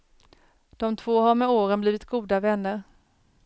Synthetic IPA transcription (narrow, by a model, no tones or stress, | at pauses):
d̪̥ɔmt̪ʰv̥oːɦaɾmɛoːɾənbliːvɪt̪ɡuːd̪avɛnːəɾ